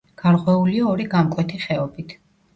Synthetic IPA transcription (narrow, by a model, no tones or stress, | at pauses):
ɡ̥aɾqʼwɛuliaɔɾiɡamkʼwɛt̪ʰiχɛɔbit̪ʰ